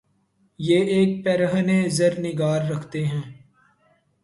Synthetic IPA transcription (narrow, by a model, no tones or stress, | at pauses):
jeːeːk̚pɛːɾəɦəneːzəɾnɪɡaːɾːɐkʰt̪eɦɛ̃ː